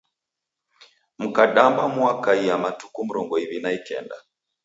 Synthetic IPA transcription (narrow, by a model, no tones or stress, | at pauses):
m̩kaɗambamwakaiamatukum̩ɾɔŋɡɔiβinaikɛ̰nda